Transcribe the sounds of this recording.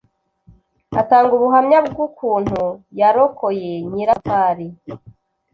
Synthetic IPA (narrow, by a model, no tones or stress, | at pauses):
a̰taːŋɡuβuɦamɲabɡukʰuːn̥hujaɾokojeɲiɾapaːɾi